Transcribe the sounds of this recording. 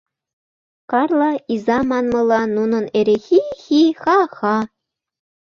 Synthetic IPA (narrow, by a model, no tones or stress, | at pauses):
kɑrlˠɑizɑmɑnmɤ̆lˠɑnːunɤ̆neɾexixixɑxɑ